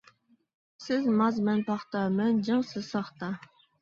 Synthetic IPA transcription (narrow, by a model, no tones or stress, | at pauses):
sɪzmɑzmɛnpʰɑχt̪ɑmɛnd͡ʒɨŋsɨzsɑχt̪ɑ